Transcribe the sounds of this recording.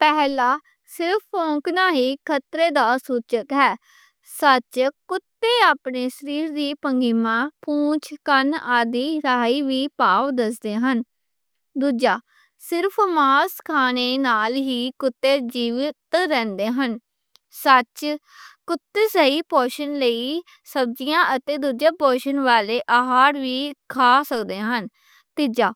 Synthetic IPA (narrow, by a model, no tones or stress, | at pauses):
pɛːlaː | sɪɾpʰõːŋknaːɦiːkʰət̪ɾeːd̪aːsuːt͡ʃəkɦɛː | sət͡ʃkʊt̪ːeːaːpneːʃəɾiːɾd̪iːpəŋɡiːmãːpũːt͡ʃʰkənaːd̪iːɾaːiːʋiːpaːʋd̪əsd̪eːɦən | d̪uːd͡ʒaː | sɪɾpʰmaːskʰaːneːnaːlɦiːkʊt̪ːeːd͡ʒiːʋɪt̪ɾɛ̃ːnd̪eːɦən | sət͡ʃ | kʊt̪ːeːsəiːpoːʃənləiː | səb̚d͡ʒijãːʔət̪eːd̪uːd͡ʒãːpɔːʃənʋaːleːʔaɦaːɾʋiːkʰaːsəkd̪eːɦən | t̪ɪd͡ʒaː